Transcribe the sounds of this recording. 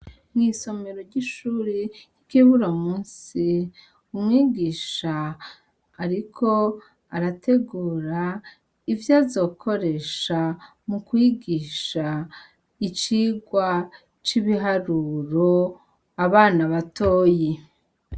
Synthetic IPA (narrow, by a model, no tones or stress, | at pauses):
ŋɡiːso̞me̞ɾoɾɟiʃuːɾejikiβuɾamuːnsi | umŋiːɡiːʃaː | ɾikʰo̞ | aɾatʰe̞ɡuːɾa | ivjazo̞ːkʰo̞ɾe̞ʃa | mukwiːɡiːʃa | it͡ʃiːɡwa | t͡ʃiβiɦaɾuɾo̞ | aβaːnaβato̞ːje